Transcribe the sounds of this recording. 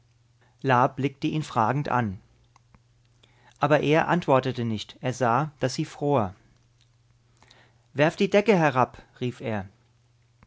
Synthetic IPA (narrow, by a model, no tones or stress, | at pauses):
laːblɪk̚təʔiːnfʁ̥aːɡŋ̩tʔa̰n | ʔaːbɐʔeːɐʔa̰ntv̥ɔɐtətənɪçtʔeːɐzaːd̥asz̥iːfʁ̥oːɐ | vɛɐfd̥iːdɛkəɦɛʁapʁiːfeːɐ